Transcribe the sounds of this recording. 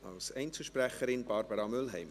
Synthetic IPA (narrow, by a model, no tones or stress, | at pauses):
ɑlsɛɪnt͡səʃprɛχəɾɪnbɑːɾbəɾɑmʏlɦɛɪm